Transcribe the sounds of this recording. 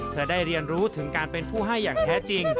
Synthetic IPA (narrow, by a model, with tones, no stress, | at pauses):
pʰɯ˥˩ɐdaː˥˩jɾi˧ənɾuː˦˥t̪ʰɯ˩˦ŋkaː˧npe˧npʰuː˥˩ɦa˥˩jːaː˨˩ŋt̪ʰɛː˦˥t͡ɕi˧ŋ